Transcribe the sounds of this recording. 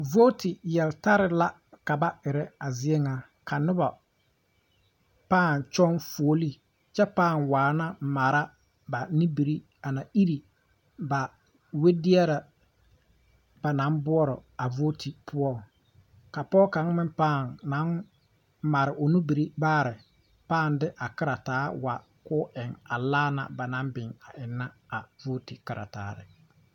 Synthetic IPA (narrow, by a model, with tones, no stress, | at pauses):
vo˦ti˨jɛ˨lta˦ɾɪ˨la˦ | ka˨ba˦ɪ˨ɾɛ˦a˨zɪ˦ɛ˦ŋa˨ | kʰa˨nʊ˦ba˨ | paː˦˨nt͡ʃɔ˦nfu˨o˦li˦ | t͡ʃɛ˦paː˦˨ŋwaː˨na˦ma˨ɾa˦ | ba˨ni˦bi˨ɾi˦ | a˨na˨i˦ɾi˨ | ba˨ | we˦dɪ˦ɛ˦ɾa˨ | ba˨na˨˦mbʊ˦ɔ˦ɾɔ˨a˨vo˦ti˨pʰʊ˦ɔ˦ | ka˨pɔ˦ka˨˦ŋmɪ̃˦mpaː˦˨ŋna˨˦ŋ | ma˨ɾɪ˨ʔo˨nu˦bi˨ɾi˦baː˦˨ɾɪ˨ | paː˦˨ndɪ˦ʔa˨kɪ˦ɾa˨taː˨˦wa˨ | kʊ˦ɪ˨ŋa˨laː˦na̰˨ba˨nã˨˦mbɪ˨ŋa˨ʔɪ˨nːa˦a˨vo˦ti˨kɪ˨ɾʔa̰˨taː˨˦ɾɪ̰˨